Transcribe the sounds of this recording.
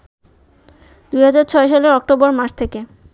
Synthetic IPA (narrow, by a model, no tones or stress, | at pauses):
d̪ujɦad͡ʑaɾt͡ɕʰɔeʃaleɾɔk̚ʈobɔɾmaʃt̪ʰeke